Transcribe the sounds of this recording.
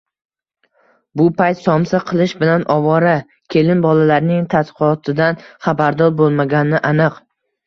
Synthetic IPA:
bʊpʰajt̪sɒmsaqʰɨlˠɪʃbɪlanʔɒvɒɾa | kʲʰe̞lɪnbɒlalaɾnɪŋt̪ʰat̪qʰɨɒt̪ʰɪd̪anχabaɾd̪ɒɾbolˠmaɡʲanɪʔanɨq

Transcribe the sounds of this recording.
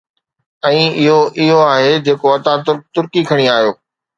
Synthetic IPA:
ɛ̃ːɪɦoʔɪɦoaːɦed͡ʑeːkoɐt̪ãt̪ʊt̪ʊɾkikʰɐɽ̃iaːɦijoː

